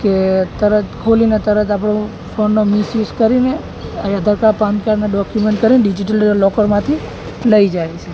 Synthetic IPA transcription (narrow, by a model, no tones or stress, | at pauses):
ket̪əɾət̪kʰolinet̪əɾət̪apɽ̃õ | fonːomisjuskəɾine | ajad̪ʱəɾkaɾpãnkaɾneɖɔkjumeɳʈ̚kəɾineɖid͡ʒiʈəllɔkəɾmãt̪ʰi | ləid͡ʒajt͡ʃʰe